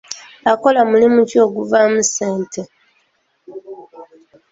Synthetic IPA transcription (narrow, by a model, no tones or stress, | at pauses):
ako̞lamulimucio̞ɡuvamuseːnte